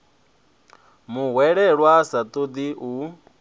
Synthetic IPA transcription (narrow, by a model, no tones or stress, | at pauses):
muɦwɛɺɛɺwasat̪ʼod̪iʔu